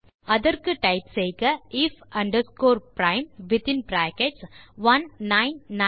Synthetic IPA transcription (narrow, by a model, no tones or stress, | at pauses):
ɐðɐɾkɯʈɐɪpsejkɐɪfɐ̃ɳɖɐɾskoːɾpɾãɪmʋɪt̪ɪ̃npɾæːkeʈsʋɐnːaɪnːa